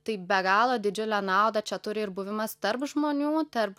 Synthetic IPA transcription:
t̪ɐɪbʲɛɡɑːlˠoːd̪ʲɪd͡ʒʲʊlʲænɑˑʊd̪ɐt͡ʃʲɛt̪ʊɾʲɪɪɾbuːʋʲɪmɐst̪ɐrpʒmoːnʲuːt̪ɐrp

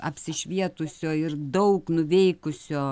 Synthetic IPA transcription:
ɐpʲsʲɪʃʲʋʲiɛt̪ʊsʲoːɪrd̪ɐʊknʊʋʲɛɪkʊsʲoː

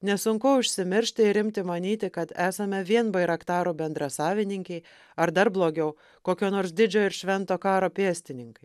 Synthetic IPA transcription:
nʲɛsʊŋkʊʊʃʲsʲɪmʲɪɾʲʃʲt̪ʲɪɪɾɪmʲt̪ʲɪmɐnʲiːt̪ʲɪkɐt̪æːsɐmʲɛʋʲiɛnbɐɪɾɐkt̪ɑːɾuːbʲɛnd̪ɾɐsɑːʋʲɪnʲɪŋʲkʲɛɪ | ɐɾd̪ɐɾblˠoːɡʲɛʊ | koːkʲoːnoːɾsd̪ʲɪd͡ʒʲoːɪɾʃʲʋʲɛnt̪oːkɑːɾoːpʲeɛsʲt̪ʲɪnʲɪŋkɐɪ

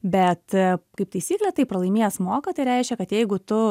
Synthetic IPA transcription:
bʲɛt̪kɐɪp̚t̪ɐɪsʲiːklʲɛt̪ɐɪpɾɐlˠɐɪmʲiːjɛsmoːkɐt̪ɐɪɾʲɛɪʃʲkʲɛkɐt̪jɛɪɡʊt̪ʊ

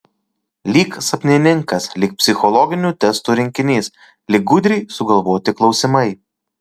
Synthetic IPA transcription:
lʲiːksɐpʲnʲɪnʲɪŋkɐslʲɪk̚pʲsʲɪxɔlˠɔɡʲɪnʲuːt̪ʲɛst̪uːɾʲɪŋʲkʲɪnʲiːs | lʲɪk̚ɡʊd̪ʲɾʲiːsʊɡɐlˠʋoːt̪ʲɪklˠɒʊsʲɪmɐɪ

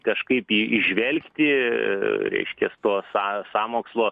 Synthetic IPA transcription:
kɐʃkɐɪpiːɪ̰ʒʲʋʲɛlʲkt̪ʲɪ | ɾʲɛ̰ɪʃʲkʲɛst̪oːsɑːsɑːmoːkslˠoː

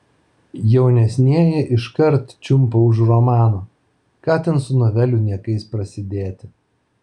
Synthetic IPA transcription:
jɛʊnʲɛsʲnʲiɛjɛʔɪʃkɐɾt̪t͡ʃʲʊmpɐʊʃ̬ɾɔmɑːnoː | kɑːt̪ʲɛnsʊnoːʋʲɛlʲʊnʲiɛkɐɪspɾɐsʲɪd̪ʲeːt̪ʲɪ

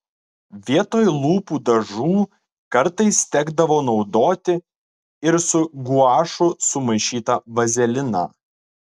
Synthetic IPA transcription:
ʋʲiɛt̪oːjlˠuːpuːd̪ɐʒuː | kɐɾt̪ɐɪst̪ʲɛɡd̪ɐʋoːnɒʊd̪oːt̪ʲɪ | ɪɾsʊɡuɑːʃʊsʊmɐɪʃʲiːt̪ɐʋɐzʲɛlʲɪnɑ̰

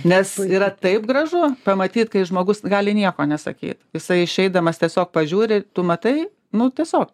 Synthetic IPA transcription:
nʲɛsiːɾɐt̪ɐɪpɡrɐʒʊpɐmɐt̪ʲiːt̪kɐɪʒmoːɡʊsɡɑːlʲɪnʲiɛkoːnʲɛsɐ̰kʲḭːt̪jɪsɐɪɪʃʲɛɪd̪ɐmɐst̪ʲiɛsʲoːk̚pɐʒʲuːɾʲɪt̪ʊmɐt̪ɐɪ | nʊt̪ʲiɛsʲoːk̚

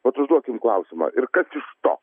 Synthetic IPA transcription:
ʋɐt̪ʊʒd̪uɔkʲɪmklˠɐʊsʲɪmɐ̰ʔɪɾkɐsɪʃt̪o̰ː

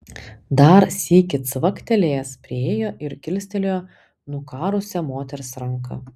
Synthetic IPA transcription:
d̪ɐɾsʲiːkʲɪt̪sʋɐkt̪ʲɛlʲeːspʲɾʲɪeːjoːʔɪɾkʲɪlʲsʲt̪ʲɛlʲoo | nʊkɑːɾʊsʲɛmoːt̪ʲɛɾʲsɾɐŋkɐ̰

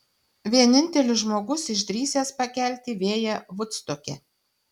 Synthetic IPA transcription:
ʋʲiɛnʲɪnʲt̪ʲɛlʲʊsʒmoːɡʊsɪʃd̪ʲɾʲiːsʲeːspɐkʲæˑlʲt̪ʲiːʋʲeːjɛʋʊt̪st̪okʲɛ̰

